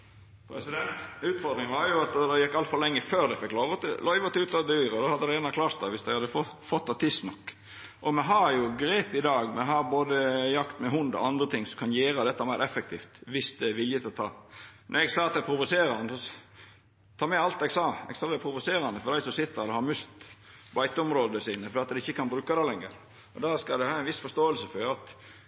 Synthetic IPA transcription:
pʰɾɛsɪd̪ɛnt̪ʉːt̪fɔɾd̪ɾɪŋʋɑɾjʊɑt̪d̪ɛjɛkːɑlt̪fɔlɛŋːəføːɾd̪ɛɪfɛkːloːʋət̪lœʏʋɑt̪ʉːt̪ɑd̪yːɾɔd̪ɔhɑd̪ːəd̪ɛɛnɑkʰlɑːɾt̪d̪ɑːʋɪsd̪æɪhɑd̪ːəfɔ | fɔt̪ːɑt̪ʰɪst̪nɔkː | ʔɔmɛɦɑɾjʊɡɾeːpɪd̪ɑːɡmɛɦɑɾboːd̪əjɑkt̪mɛɦʊnd̪ɔ̰ɑnd̪ɾət̪ʰɪŋsɔkʰɑnjeːɾəd̪ɛt̪ːəæɾmæɪɾɛfːɛk̚t̪ʰḭːft̪ʋɪsd̪ɛʋɪljət̪ʰɪlɔt̪ʰɑ̰ːnʔɔɾɛɡsɑːɑt̪d̪æpʰɾʊʋʊseːɾɑnəsɔ | t̪ʰɑːmɛɑlt̪ɛɡsɑːɛ̰ɡsɑːd̪æɪpʰɾʊʋʊseːɾɑnəfɔɾdæɪsɔsɪt̪ːəɾd̪ɛhɑɾmʉst̪bɑɪt̪əʊmɾoːd̪əsiːnəfɔɾɖɛːɑt̪d̪ɛɪçːəkʰɑnbɾʉːkɑd̪ɛlɛŋːəɾ | ɔd̪ɑskɑd̪ɛhɑːɪnʋɪsfɔʂt̪oːəlsəfɔɾɑt̪

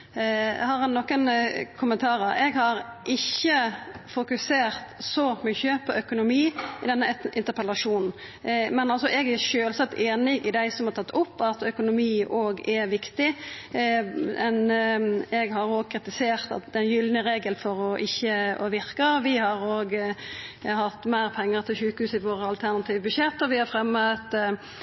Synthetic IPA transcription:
hɑɾɛnːɔkːənkʰʊmənt̪ʰɑːɾəɾɛɡhɑɾʔɪçːəfʊkʉseːɾt̪sɔmʏçːəpʰɔʔœkʊnʊmiːɪd̪ɛnːəʔɪnt̪əɾpʰəlɑʂuːnn̩ | mɛnɑlsɔʔɛɡæʃøːlsɑt̪ːeːnɪɡɪd̪æɪsɔmhɑɾt̪ʰɑt̪ːʊpːɑt̪œkʊnʊmiːʔoːɡɛɾʋɪkt̪ɪ | ɛn | ɛɡɦɑɾoːɡkʰɾɪt̪ɪseːɾt̪ɑ̰t̪̚d̪ɛnjʏlnəɾeːɡəlfɔɾɔʔɪçːəɔʋɪɾkəʋɪhɑɾoːɡ | hɑt̪ːmæɪɾpʰɛŋːəɾt̪ʰɪlʃʉːkhʉːsɪʋoːɾəɑlt̪ʰæɾnɑt̪ʰiːʋəbʉɕɛt̪ːɔʋɪhɑɾfɾɛmːət̪

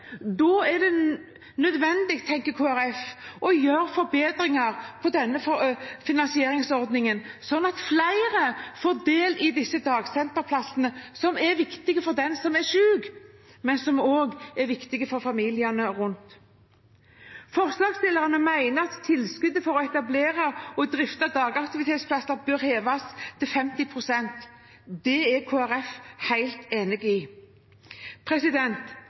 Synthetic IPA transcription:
d̪ɔɛɖɛ | nœd̪ʋɛnd̪ɪɡt̪ʰːɛŋkəkʰoːæɾɛfʔɔjøːɾfɔɾbeːd̪ɾɪŋɑɾpʰɔd̪ɛnːəfɔfɪnɑnsɪeːɾɪŋsɔɾd̪nɪŋənsɔnːɑt̪flæɪɾəfoːɾd̪eːlɪd̪ɪsːəd̪ɑːɡsɛnt̪əɾpʰlɑsənəsɔmɛɾʋɪkt̪ɪɡəfɔɾd̪ɛnsɔmɛʃʉːɡmɛnsɔmoːɡɛɾʋɪkt̪ɪɡəfɔɾfɑmiːlɪənəʁʉnt̪ | fɔʁslɑːɡst̪ɪlːəɾɑnəmæɪnəɑt̪ʰːɪlskʉd̪əfɔɾɔɛt̪ɑbleːɾɑɔd̪ɾɪft̪ɑd̪ɑːɡɑkt̪ɪʋɪt̪ʰeːt̪spʰlɑsəɾbøːɾheːʋɑst̪ʰɪlfɛmt̪ɪpʰʁʊsɛnt̪ | d̪ɛɛɾkʰoːæɾɛfhæɪlt̪eːnɪɡɪ | pʰɾɛsɪd̪ɛnt̪

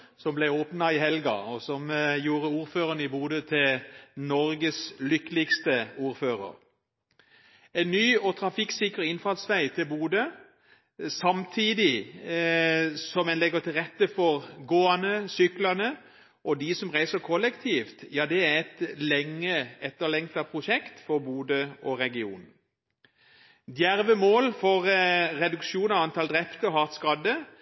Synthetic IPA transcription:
sɔmblɛɪoːpnɑɪɦɛlɡɑ̰ɔsɔmjuːɾəuːɾføːʁənəɪbuːd̪ət̪ʰɪlnɔɾɡəslʏkːəlɪkst̪əuːɾføːɾə̰ɾ | ɛɪnnːyːɔt̪ʰɾɑfɪksɪkɾəʁɪnfɑlsʋæɪt̪ʰɪlbuːd̪ə | sɑmt̪ʰiːd̪ɪ | sɔmɛnlɛɡət̪ʰɪlʁɛt̪ːəfɔʁɡoːɑnəsʏklɑnə | ʔɔd̪ɪsɔmʁæɪsəkʰɔlːɛkt̪ʰiːft̪jɑːd̪ɛæʁɛt̪lɛŋːəɛt̪ːəʁlɛŋt̪ɑpʰʁʊʃɛkt̪fɔʁbuːd̪əɔʁɛɡɪṵːn | d̪jæɾʋəmoːlfɔʁʁɛd̪ʉkʃuːnɑʋɑnt̪ɑld̪ʁɛpt̪əɔɦɑʁt̪skɑd̪ə

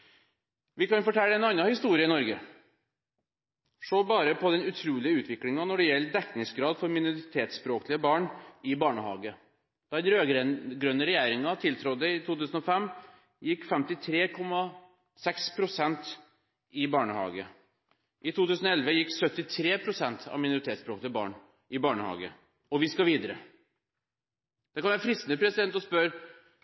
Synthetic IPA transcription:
ʋɪkɑnfɔʈʰɛlːɛnɑnːɑhɪst̪uːɾɪəɪnɔɾɡə | ʂoːbɑːɾəpʰɔd̪ɛnʉt̪ʰɾuːlɪəʉːt̪ʰʋɪklɪŋɑnɔɖɛjɛlːəd̪ɛkːnɪŋsɡɾɑːd̪fɔɾmɪnʊɾɪt̪ʰeːt̪spɾoːklɪəbɑːɳɪbɑːɳəhɑ̰ːɡə | d̪̥ɑd̪ɛnɾøːɡɾɛnɡɾœnːəɾɛjæːɾɪŋɑt̪ʰɪlt̪ʰɾɔd̪ːəɪt̪ʰuːt̪ʉːsən̩ɔfɛmː | jɪkːfɛmt̪ɪt̪ʰɾeːkʰɔmːɑ | sɛkspʰɾʊsɛnt̪ | ɪbɑːɳəhɑ̰ːɡə | ʔɪt̪ʰuːt̪ʉːsənɔɛlʋəjɪkːsœt̪ːɪt̪ʰɾeːpʰɾʊsɛnt̪ʰɑ̰ʋmɪnʊɾɪt̪ʰeːt̪spɾoːklɪəbɑ̰ːɳ | ʔɪbɑːɳəhɑ̰ːɡə̰ | ɔʋɪskɑʋiːd̪əɾə | d̪̥ɛkʰɑnʋæfɾɪst̪nəpʰɾɛsɪd̪ɛnt̪ɔspœɾ

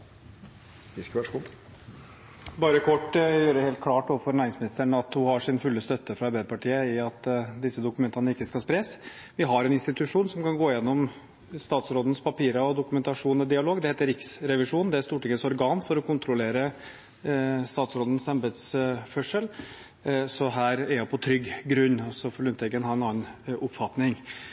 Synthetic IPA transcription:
ɪskʋækʊ | bɑːɾəkʰɔʈːjøːɾəheːlt̪̚kʰlɑːʈ̪ːoːʋəfɔɾnæːɾɪŋsmɪnɪst̪əɳɑt̪hʊhɑʂɪnfʉlːəst̪œt̪ʰːəfɾɑɑɾbæɪəpʰɑʈʰiːəɪɑt̪ːd̪ɪsːəd̪ʊkʉmɛnt̪ɑnəɪkːəskɑspɾeːs | ʋɪɦɑɾɛnɪnst̪ɪt̪ʉʂuːnsɔmkɑnɡoːɪjɛnːɔm | st̪ɑːt̪sɾoːd̪n̩spʰɑpiːɾɑɔd̪ʊkʉmɛnt̪ɑʂuːnɛd̪ɪɑloːɡd̪ɛheːt̪əɾɪksɾɛʋɪʂuːnd̪ɛæɾst̪uːʈɪŋːəsɔɾɡɑːnfɔɾɔkʰʊnt̪ɾʊleːɾə | st̪ɑːt̪sɾoːd̪ən̩sɛmbɛd̪sfœʂəl | sɔɦæːɾɛɾjæpʰɔt̪ʰɾʏɡːɡɾʉnːɔsɔfɔɭʉnt̪ɛɡənhɑɾɛnɑːnʔʊpfɑt̪nɪŋ

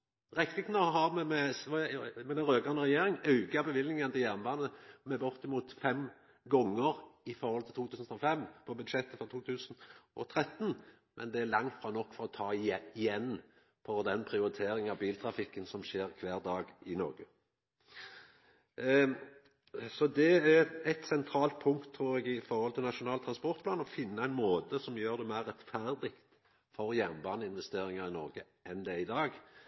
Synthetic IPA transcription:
ʁɛkt̪ɪknɑɦɑʁmɛmɛsʋmɛd̪ɛʁøːɡɑnəʁɛjeːɾɪŋɑʉɡɑbəʋɪlnɪŋənt̪ɪjæʁnʋɑnəmɛbɔʁt̪ɪmuːt̪fɛm | ɡɔŋːəʁɪfɔɾhɔlt̪ʰɪlt̪uːt̪ʰʉːsn̩t̪ʰɑfɛmpʰɔbʉd̪ʃɛt̪ːəfɔʁt̪ʰuːt̪ʰʉːsənʔɔt̪ʰɾɛt̪ːn | mʔɛ̰nd̪ɛælɑŋt̪fɾɑːnɔkːfɔɾɔt̪ʰɑːɪɛɪjɛnː | fɔd̪ɛnpʰɾɪʊɾɪt̪ʰeːɾɪŋəɑʋbiːlt̪ʰɾɑfɪkːənsɔmʃeːɾkʰʋæːʁd̪ɑːɡɪnɔ̰ʁɡə | sɔd̪ɛæɾɛt̪sɛnt̪ʰɾɑːlt̪̚pʰʊŋkt̪ʰːɾuːɾɛɡɪfɔɾhɔlt̪ʰɪlnɑʂʊnɑːlt̪ʰɾɑnspɔʁt̪pʰlɑːnɔfɪnːəæɪnmoːt̪əsɔmjøːʁɾd̪ɛmæɪɾʁːɛt̪fæɾd̪ɪkt̪ | fɔɾjænbɑːnəɪnʋɛst̪eːɾɪŋəɾɪnɔɾʁɡə | ʔɛnd̪ɛɪd̪ɑːɡ

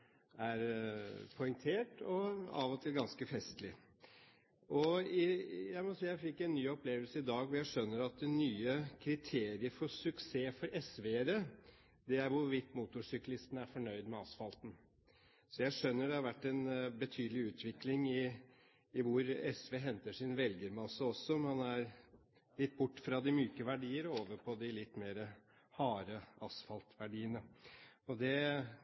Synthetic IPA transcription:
æɾpʰɔʏŋt̪ʰeːʈɔɑ̰ːʋɔt̪ʰɪlɡɑnskəfɛst̪lɪ | ʔɔɪjæɪmɔsiːjæɪfɪkːɛɪnːyːɔpʰleːʋəlsəɪd̪ɑːɡʋɔjæɪʂœnːəɾɑt̪̚d̪ɛnyːəkʰɾɪt̪ʰeːɾɪəɾfɔsʉkseːfɔɾɛsʋeːɾə | d̪ɛæɾʋʊɾʋɪt̪ːmuːt̪ʊʂʏklɪst̪ənæɾfɔɳœʏd̪mɛɑsfɑlt̪n̩ | sɔjæɪʂœnːəɖɛhɑɾʋæʈːɛnbət̪ʰyːd̪əlɪʉːt̪ʋɪklɪŋɪː | ʋʊɾɛsʋeːɦɛnt̪əʂɪnʋɛlɡəɾmɑsəɔsːɔmɑnæɾ | lɪt̪ːbʊʈːfɾɑd̪ɪmyːkəʋæɖiːəɾoːʋəɾpʰɔd̪ɪlɪt̪ːmeːɾə | hɑːɾəɑsfɑlt̪ʋæɖiːənəɔd̪ɛ

